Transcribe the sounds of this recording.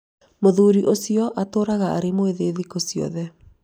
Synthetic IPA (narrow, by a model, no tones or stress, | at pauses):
moðuːɾiʔosiɔʔatoːɾaɣaa̰ɾemoeðeːðikosijɔ̰ðɛ